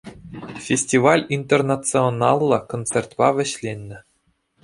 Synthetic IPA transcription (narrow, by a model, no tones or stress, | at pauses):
fʲesʲtʲivɑlʲint̪ʲernat͡sɨonɑlˠːɤ̆kont͡serʲt̪pɑʋʲɘ̆ɕlʲenʲːɘ̆